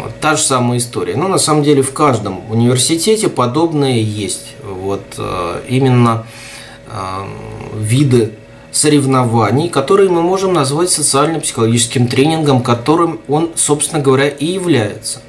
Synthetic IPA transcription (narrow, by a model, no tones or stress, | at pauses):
t̪ːaʐɨsaməjəɪst̪o̞ɾʲɪ̰ənunɐsaməmdʲelʲɪfkaʐd̪əmʊnʲɪvʲɪrsʲɪtʲetʲɪpɐd̪o̞bnɨjəjesʲtʲvo̞t̪imʲɪnːə | vʲid̪ɨ | səɾʲɪvnɐvanʲɪjkɐt̪o̞ɾɨjəmɨmo̞ʐɨmnɐzvatʲsət̪sɨalʲnəmpsʲɪ̥xəlˠɐɡʲit͡ɕɪ̥skʲɪmt̪ɾʲenʲɪnɡəmkɐt̪o̞ɾɨmo̞nso̞psʲɪnəɡəvɐɾʲaʔɪjɪvlʲæjɪ̰t̪sə̥